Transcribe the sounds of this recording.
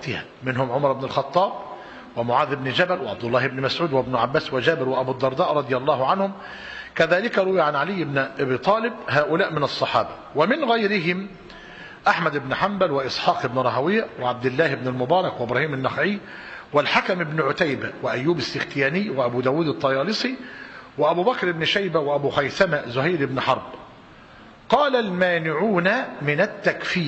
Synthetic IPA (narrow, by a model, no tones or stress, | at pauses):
t̪ɪhæ | mɪnɦʊmʕʊmɑɾˤɪbnɪlxɑt̪ˤːɑːb̚ | wɪmʊʕaːðɪbnɪd͡ʒæbælwɪʕab̚d̪ʊlːɑːhɪbnɪmæsʕuːd̪wɪbnʊʕabːæːswɪd͡ʒæːbɪɾwɪʔæbuːd̪ːɑɾˤd̪ɑːʔɾˤɑd̪ˤɪjælˤːɑːhʊʕanhʊm | kæðæːlɪkæɾˤʊwjʕanʕalɪjːɪbnʔabiːt̪ˤɑːlɪbɦæːʔʊlæːʔmɪnɑsˤːɑħɑːbɑ | wɪmɪnɣæjɾɪɦɪm | ʔaħmæd̪ɪbnɪħambælwɪʔɪsˤħɑːqɪbnɪɾˤɑɦawɪjːæwɪʕab̚d̪ɪlːæːhɪbnɪlmʊbɑːɾˤɑkwɪʔɪbɾˤɑːhiːmɪnːɑxʕɪː | wɪlħakamɪbnɪʕʊt̪ajbæwɪʔæjːuːbɪsːɪxt̪ɪjæːnɪːwɪʔæbuːd̪æːwuːd̪ɨt̪ˤːɑjɑːlɨsˤiwɪʔæbuːbækɾɪbnɪʃajbæwɪʔæbuːxajθæmæzʊhajɾɪbnɪħɑɾˤb | qɑːlalmæːnɪʕuːnamɪnæt̪ːækfɪː